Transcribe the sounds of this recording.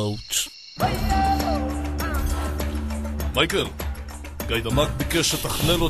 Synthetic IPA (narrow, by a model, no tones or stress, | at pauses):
wt̪ | majkel | ɡajd̪amakbikeʃet̪aχnelo